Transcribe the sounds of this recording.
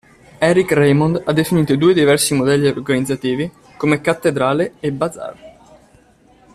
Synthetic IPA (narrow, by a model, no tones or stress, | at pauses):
ɛːɾikrejmond̪ad̪ːefiniːt̪od̪uːed̪ivɛrsimod̪ɛlːiorɡanid̪zat̪iːvi | komekat̪ːed̪ɾaːleebaza̰r